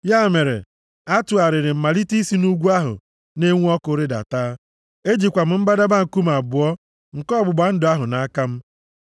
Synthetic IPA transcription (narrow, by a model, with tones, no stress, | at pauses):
ja˦˨me˨ɾḛ˨ | a˦tʊ˨a˨ɾɪ˨ɾɪ˨m̩˨ma˨li˦ti˦si˦nu˦ɡʷu˦a˦ɦʊ̰˨ | ne˦ŋʷu˦ɔ˦kʊ˦ɾɪ˦da̰˨taː˦ | e˦d͡ʒi˨kʷa˨m̩˨m̩˦ba˦da˦ba˦ŋ̩˨ku˦m̩˨a˨bʊ˨ɔ˦ | ŋ̩˨kɔ˦bʊ˨ɡ͡ba˨˦n̩˦dʊ˨a˦ɦʊ˨na˦a˦ka˦m̩˦